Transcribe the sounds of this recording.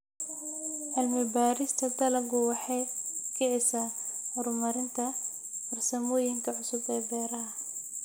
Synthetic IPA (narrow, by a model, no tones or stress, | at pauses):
ʕɪlmɪbaːɾɪst̪ʰɐd̪ɐlɐɡʊwɑħɑjkʰɪʕɪsaːhɔɾʊmɐɾɪnt̪ʰɐ | ɐrsɐmɔːjɪŋkʰɐʕʊsʊbɛːbɛːɾɐ